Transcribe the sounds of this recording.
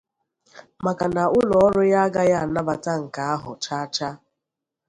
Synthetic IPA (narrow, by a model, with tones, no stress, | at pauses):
ma˨ka˨na˨ʊ˦lɔ˨ɔ˦ɾʊ˦ja˦a˦ɡa˦ja˦a˨na˦ba˨ta˦ŋ̩˨ka˨a˦ɦʊ˨t͡ʃa˦t͡ʃa˦